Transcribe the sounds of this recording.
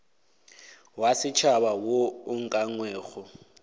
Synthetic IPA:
wasɪt͡ʃʰabawoʊŋ̩kʼaŋwɛːɣʊ

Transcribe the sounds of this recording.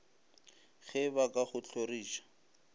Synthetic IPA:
χɛbakʼaχʊt͡ɬʰoriːʃḁ

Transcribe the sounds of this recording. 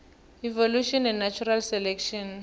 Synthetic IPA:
ivoluʃɔnɛ̃nnat͡ʃʰuralsɛlɛkʃɔn

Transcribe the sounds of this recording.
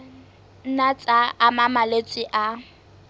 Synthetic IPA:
n̩nat͡sʼaːmamalet͡sʼɪʔa

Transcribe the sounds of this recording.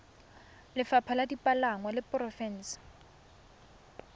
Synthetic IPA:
lɪfapʰaladipʼalaŋwalɪpʼrɔfɛn̩ːsḁ

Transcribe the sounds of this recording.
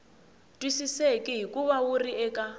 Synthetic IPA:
tʼwisisekʼiɦikʼuβawuriɛːkʼa

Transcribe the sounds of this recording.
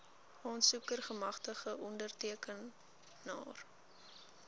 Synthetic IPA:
ɑːnsukərχəmɐχtəχəʔɔndərtiəkənː | ɑ̰ːr

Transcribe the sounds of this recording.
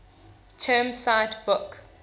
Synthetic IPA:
tʰɜːmsaɪtbʊk

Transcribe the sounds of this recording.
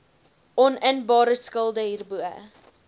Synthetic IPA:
ʔɔnənbɑːɾəskəlˠdəɦiːrbuə̰

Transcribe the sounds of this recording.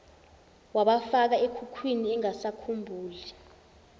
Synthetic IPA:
waɓafak̬aekʰukʰwiniɛŋasakʰumbʱuːli

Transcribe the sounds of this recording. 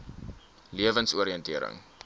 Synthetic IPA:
liəvənsuəɾiəntiəɾə̰ŋ

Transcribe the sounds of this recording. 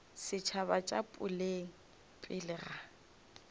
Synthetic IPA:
sɪt͡ʃʰaβat͡ʃʼapʼʊleŋ̩ | pʼɪlɪra

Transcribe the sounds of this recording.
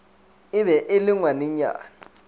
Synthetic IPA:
ɪβɛʔɪlɪŋwanɪɲa̰ːŋ

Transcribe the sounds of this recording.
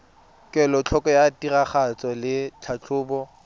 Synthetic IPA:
kʼɛlɔt͡ɬʰɔkʼɔjatiraχat͡sʼɔlɪt͡ɬʰat͡ɬʰʊːbɔ

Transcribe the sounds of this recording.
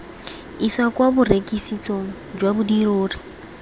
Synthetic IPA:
iswakʼwaburekʼisit͡sʼoŋ̩ | d͡ʒwabudiroːri̥

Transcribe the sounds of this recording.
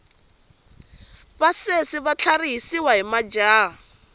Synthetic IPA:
basesɪβat͡ɬʰariɦisiwaɦimad͡ʒaː

